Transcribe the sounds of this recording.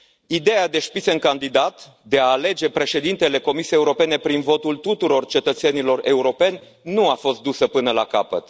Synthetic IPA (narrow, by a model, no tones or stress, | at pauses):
id̪e̞ad̪e̞ʃpiseɨŋkand̪id̪at̪ | d̪e̞aːle̞d͡ʒe̞pɾe̞ʃe̞d̪int̪e̞le̞ko̞misiejeuɾo̞pe̞ne̞pɾinvo̞t̪ult̪ut̪uɾo̞rt͡ʃe̞t̪ət̪se̞nilo̞re̞uɾo̞pe̞nʲ | nuafo̞st̪̚d̪usəpɨnəla̰kapət̪